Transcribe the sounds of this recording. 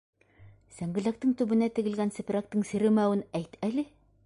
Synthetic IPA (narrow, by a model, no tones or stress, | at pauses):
sæŋɡɘ̆læk̚t̪əŋt̪ɵbɘ̆næt̪ɘ̆ɡɘ̆lɡʲænsɘ̆pʲɾak̚t̪əŋseɾɘ̆mæwɘnæjt̪ælɘ